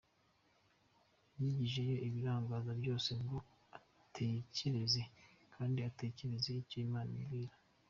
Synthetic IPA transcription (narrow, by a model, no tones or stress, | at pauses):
jiɟiʒe̞jo̞ʔiβiɾaːŋɡaːzabɟo̞ːse̞ŋɡo̞ | a | tʰe̞ce̞ɾe̞ze̞kʰaːndiate̞ce̞ɾe̞zeicoimaːnḭɡiːɾa